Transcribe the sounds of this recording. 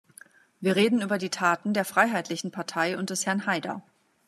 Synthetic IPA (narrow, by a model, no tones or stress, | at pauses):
viːɐʁ̞eːdn̩yːbɐdiːtʰaːtn̩deːɐfʁ̥aɪɦaɪtʰlɪçn̩pʰaɐtʰaɪʊnt̚d̥ɛshɛɐnhaɪdɐ̰